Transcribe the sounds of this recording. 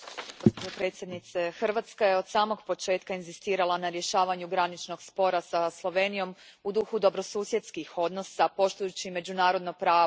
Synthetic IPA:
ɡo̞spod͡ʑopɾe̞t̪sʲje̞d̪nit̪se̞xr̩ʋat̪skaje̞o̞d̪saːmo̞ɡpo̞t͡ʃe̞ːt̪kainzist̪iːɾalˠanaɾje̞ʃaːʋaɲuɡɾanit͡ʃno̞ɡspo̞ɾasaslˠoʋe̞ːnijo̞m | ud̪uxud̪o̞bɾo̞suːsjet̪skixo̞d̪no̞sapo̞ʃt̪ujut͡ɕime̞d͡ʑunaːɾod̪nopɾaː

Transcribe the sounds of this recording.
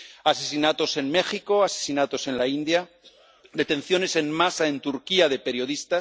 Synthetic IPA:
ase̞sinat̪o̞se̞nme̞xiko̞ase̞̥sinat̪o̞senlaind̪ja | d̪e̞t̪ẽ̞n̟θjo̞ne̞se̞nmasaẽ̞nt̪uɾkiaðe̞peɾjo̞ð̞ist̪as

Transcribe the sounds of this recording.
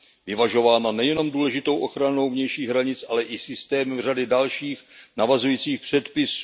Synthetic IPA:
vɪvaʒo̞vaːnanɛjɛno̞mduːlɛʒɪt̪o̞wʔo̞xɾano̞wvɲɛjʃiːɣɦɾaɲɪt͡sʔalɛʔɪsɪst̪ɛːmr̝adɪdalʃiːxnavazujiːt͡siːxpr̝̥ɛt̪pɪsu

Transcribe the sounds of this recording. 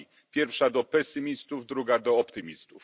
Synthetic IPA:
i | pʲjɛɾfʂad̪ɔpɛsɘmʲist̪uvd̪ɾuɡad̪ɔɔpt̪ɘmʲist̪uf

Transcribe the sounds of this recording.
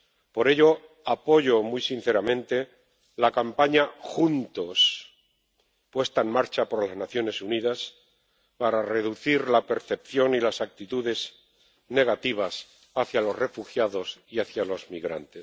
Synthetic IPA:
po̞ɾe̞ʎo̞ | apo̞ʝo̞mujsinθeɾamẽ̞nt̪e̞ | lakampaɲaxunt̪o̞s | pwe̞st̪aenmaɾt͡ʃapo̞ɾlaznaθjo̞ne̞suniðas | paɾare̞ðuθiɾlape̞ɾθe̞p̚θjo̞nilasak̚t̪it̪uðe̞z | ne̞ɣ̞at̪iβ̞as | aθjalo̞sre̞fuxjaðo̞siaθjalo̞zmiɣɾa̰nt̪es

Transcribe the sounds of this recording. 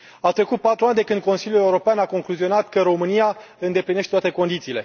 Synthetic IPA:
at̪ɾekut̪̚pat̪ɾuanʲd̪e̞kɨnd̪̚ko̞nsiljule̞uɾo̞peanako̞ŋkluzio̞nat̪kəɾo̞mɨnija | ɨnd̪e̞plineʃtet̪at̪e̞ko̞nd̪it̪siːle̞

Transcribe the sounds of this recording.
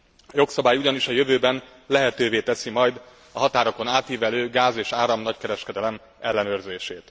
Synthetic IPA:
jo̞ksɒbaːjuɟɒniʃɒjøvøːbɛn | lɛɦɛt̪øːveːt̪ɛsimɒjd̪ | ɒɦɒt̪aːɾoko̞naːt̪iːvɛløːɡaːzeːʃaːɾɒmnɒckɛɾɛʃkɛd̪ɛlɛm | ɛlːɛnøːrzeːʃeːt̪

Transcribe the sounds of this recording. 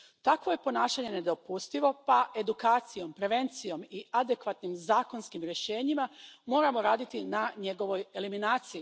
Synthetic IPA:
t̪akʋo̞je̞po̞naːʃaɲe̞ne̞d̪o̞pust̪iʋo̞paʔe̞d̪ukaːt̪sijo̞mpɾe̞ʋe̞nt̪sijo̞miad̪e̞kʋat̪nimzaːko̞nskimɾje̞ʃe̞ːɲimamo̞ːɾamo̞ɾaːd̪it̪inaɲe̞ɡo̞ʋo̞je̞liminaːt̪siji

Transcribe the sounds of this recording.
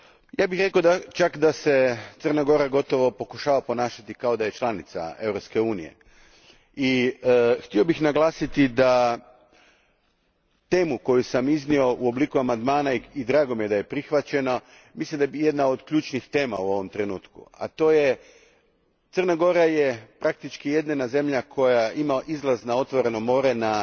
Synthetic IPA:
jaːbixɾekod̪at͡ʃakd̪aset̪sərnaɡo̞ɾaɡo̞t̪o̞ʋo̞po̞kuʃaːʋapo̞naːʃat̪ikao̞d̪aje̞t͡ʃlˠanit̪sa̰e̞ʋɾopske̞uːnḭjḛ | i | xt̪io̞bixnaɡlˠaːsit̪id̪a | t̪e̞ːmuko̞jusamiznio̞ʔuo̞bliːkuamand̪maːnaid̪ɾaːɡo̞mije̞d̪aje̞pɾixʋat͡ɕe̞no̞ | mislimd̪abije̞d̪naod̪kʎuːt͡ʃnixt̪e̞ːma̰uo̞ʋo̞mt̪ɾe̞nuːt̪kṵa̰t̪o̞ːje | t̪sərnaɡo̞ɾajepɾak̚t̪it͡ʃkije̞d̪nenaze̞mʎakʰo̞jaimaʔizlˠaznao̞t̪ʋo̞ɾe̞no̞mo̞ɾe̞na

